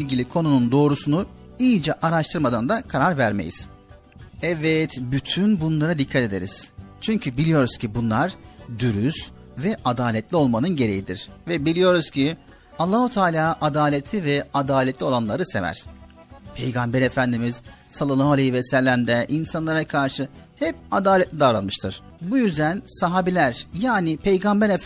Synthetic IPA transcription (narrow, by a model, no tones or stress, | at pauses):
ilʲɟilʲikʰo̞nunund̪o̞ːɾusunuijd͡ʒɛʔaɾaʃt̪ʰɯɾmad̪and̪akʰaɾaɾvæɾme̞̰jḭz̥ | ɛvɛt̪byt̪ʰynbunlˠaɾad̪ikʰːat̪e̞d̪e̞̰ɾiz̥t͡ʃʰyɲcʰybilʲijo̞ɾuz̥cʰibunlˠaɾd̪yɾys | vɛʔad̪aːlʲɛt̪ʰlʲio̞lˠmanɯnɟe̞ɾe̞jid̪iɾ̥vɛbilʲijo̞ɾuz̥cʰi | alˠːaːhut̪ʰaːlʲaːʔad̪aːlʲet̪ʰivɛad̪aːlʲɛt̪lʲio̞lˠanlˠaɾɯse̞̰væ̰ɾ̥ | pʰejɡambɛɾefænd̪imiz̥ | salˠalˠaɦalʲˠejivɛsɛlʲːæmd̪ɛʔinsanlˠaɾakʰaɾʃɯhɛp̚ad̪aːlʲɛt̪lʲid̪aːvɾanmɯʃt̪ʰɯɾ̥ | bujyzd̪ænsaɦaːbilʲæɾjaːnɪpʰe̞jɡambɛɾe